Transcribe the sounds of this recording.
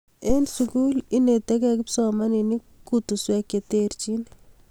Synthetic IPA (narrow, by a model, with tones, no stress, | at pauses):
e˦nsuku˦li˦ne˨t̪e˦kɛ˦kɪ˦psɔma˦ni˨ni˦ | kut̪u˨swɛ˨ke˨t̪eɾt͡ʃi˦n